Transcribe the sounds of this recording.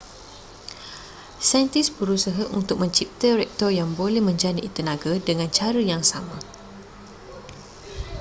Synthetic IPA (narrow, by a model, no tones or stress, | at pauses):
sajnt̪isbəɾusaɦaʔunt̪ʊk̚mə̃ɲt͡ʃip̚t̪əɾɛk̚t̪ɔrjaŋbolɛhmə̃ɲd͡ʒanit̪ənãɡadəŋãnt͡ʃaɾəjaŋsamã